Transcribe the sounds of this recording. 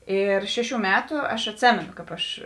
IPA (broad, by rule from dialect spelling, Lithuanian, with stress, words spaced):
ˈɪr ˈʃʲæːˌʃʲuː ˈmʲæːtuː ˈɐʃ ɐtʲˈsʲeːmʲɛnoː kɑːp ˈɐʃ